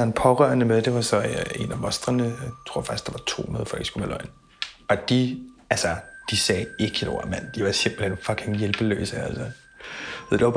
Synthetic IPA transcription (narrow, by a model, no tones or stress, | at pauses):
ɒnpʰɒʁɶɐnəmeðˠd̥e̝ʋɑ̈sɒ̽e̝næmɒ̽sd̥ʁɐnət͡sʰʁo̝ɐ̰fɑ̈ɡ̥isɡ̥ɑ̈ʋɑ̈t͡sʰo̝̰ːhunɐðˠfɒ̽l̰ɡ̥sɡ̥umelɒ̽ɪn̩ | ɒ̽d̥iælsɐd̥isɛːe̝ɡ̥ino̝ːɐ̰mæn̰d̥iʋɑ̈se̝m̰b̥l̩henfɒ̽ɡ̥ʰe̝ŋjelb̥əlø̰ːsəælsɒ | ð̰ˠd̥eʋɑb̥